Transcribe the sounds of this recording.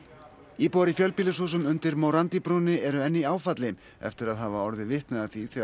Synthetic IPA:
iːpɔɾɪfjœlpilɪshuːs̬ʏmʏnt̪ɪɾmowɾant̪ipɾuːnɪɛɾʏɛnːɪaːwfat̪lɪm | ɛ̰ft̪ɪɾaðɦaːvaɔɾðɪvɪht̪nɛaθiθɛ

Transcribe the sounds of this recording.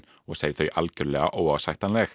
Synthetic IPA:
ɔɣsejθœɥjʔalcʏɾlɛːɣa̰ʔowavsajht̪anlɛx

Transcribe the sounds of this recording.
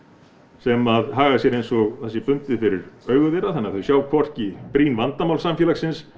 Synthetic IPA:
sɛmaðɦaːɣasjɛɾejnsɔɣθɛsːɛpʏnt̪ɪfɪɾɪɾœːɥɣʏvɛɾaθɛnːaθœɥsjawkʰvɔr̥cɪpɾiːnvant̪amawlsamfjɛlaksɪns

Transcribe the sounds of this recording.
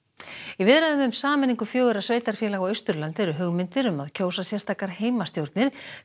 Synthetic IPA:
ivɪðɾaðʏmðʏmsaːmɛniŋkʏfjoːɣʏɾasveːjt̪aɾ̥fjɛlaɣawœɥst̪ʏɾlant̪ɪɾʏɦʏɣmɪnt̪ɪɾʏmaðcʰoːwsasjɛ̥st̪ʰaːkaɾ̥heːjmast̪jowɾt̪nɪɾ̥

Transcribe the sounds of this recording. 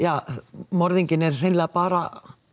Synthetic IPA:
jɑmorðiŋkinesilːæpɑɾɑ

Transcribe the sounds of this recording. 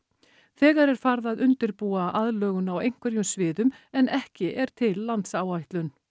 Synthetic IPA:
θɛːɣaɾɛɾ̥faɾðaðʏnt̪ɪɾpuːaʔaðlœːɣʏnawejŋ̥kʰvɛɾjʏmsvɪːðʏmɛnɛhcɪʔɛɾ̥t̪ʰɪlːant̪saːwajht̪lʏn

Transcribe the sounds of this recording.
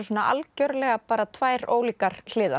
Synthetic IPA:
sɔːnaʔa̰lcœɾlɛɣapaːɾat̪ʰvaːjɾo̰ːwliːkaɾ̥l̥ɪːða

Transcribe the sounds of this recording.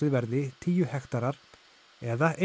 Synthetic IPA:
ɪðvɛɾðɪt̪ʰiːjʏhɛxt̪aɾaɾ̥ | ɛðaʔe

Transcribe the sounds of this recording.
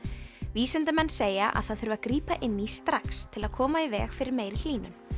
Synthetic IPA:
viːsɛnt̪ʏmɛnːseːjaʔa̰ðθaðθʏɾvakɾiːpaʔɪnːist̪ɾakst̪ʰɪlaðkʰɔːmaivɛːɣfɪɾɪɾmeːjɾɪl̥iːnʏn

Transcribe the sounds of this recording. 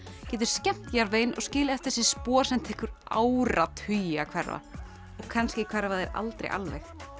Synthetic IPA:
cɛːt̪ʏ̥ɾ̥scɛm̥t̪jaɾveːjnɔ̰ɣscɪːlɪɛft̪ɪɾ̥sɛ̥spɔ̥ːsɛm̥t̪ʰɪhkʏɾa̰wɾat̪hʏjakʰvɛɾva̰ | ɔɣkʰanscɪkʰvɛɾvaðɛɾa̰lt̪ɾḛjʔa̰lvɛ̰jx

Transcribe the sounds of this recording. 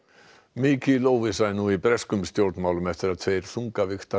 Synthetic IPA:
miːkʰɪlowvɪsajnuːipɾɛskʏmst̪jowɾt̪nmaːwlʏmɛft̪ɪɾaðθʰejɾ̥θuŋkavɪxt̪a

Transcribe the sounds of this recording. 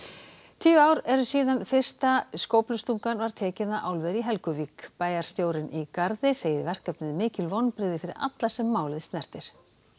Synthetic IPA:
t̪ʰiːɣaːwɾɛɾʏsiːðanfɪr̥st̪askoːwplʏst̪uŋkanvaɾ̥t̪ʰɛːcɪnaʔaːwlvɛɾiɦɛlkʏviːkpaːjaɾ̥st̪joːwɾɪnikaɾðɪseːjɪɾvɛr̥kɛp̚nɪðmɪːcɪlvɔnːpɾɪɣðɪfɪɾɪ̰ɾa̰t̪lḁsɛmːaːwlɪðst̪nɛr̥t̪ɪɾ̥

